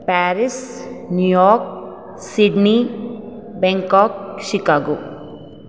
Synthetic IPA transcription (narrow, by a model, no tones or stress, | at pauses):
pɛːɾɪsnjujɔːɾk̚ | siɖni | bɛ̃ŋkɔːk̚ʃɪkaːɡoː